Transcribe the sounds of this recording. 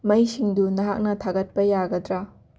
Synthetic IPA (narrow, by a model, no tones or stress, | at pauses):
mɐjsiŋdunɐɦa̰k̚nɐtʰaɡɐt̚pɐjaɡɐdɾa